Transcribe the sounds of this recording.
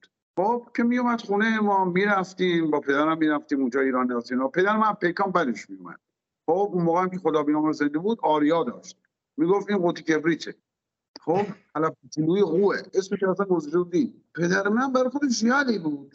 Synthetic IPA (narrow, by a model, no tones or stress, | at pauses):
χob̥kʰe̞mijomæd̪xunejemɒːmiːɾæft̪iːmbɒːpʰe̞d̪æɾæmːiːɾæft̪iːmund͡ʒɒːiːɾɒːnːiɒt̪iːnɔːpe̞d̪æɾemænpʰejkɒːmbæd̪eʃmijumæ̰d̪̥ | xobunmoːɣeæmkʲʰexod̪ɒːbiːnɑːmɾze̞nd̪ebuːd̪ɒːɾijɒːd̪ɒ̰ːʃt̪̚ | miːɡoft̪iːnɢot̪ʰicʰe̞bɾiːt͡ʃʰe | xobt̪ʰælæft̪ʰiluːjeɣuːeʔesmeʃæsænɡozɔʃebud̪i | pʰe̞d̪æɾemænbæɾɒxod̪eʃxijɒːliːbuːd̪̥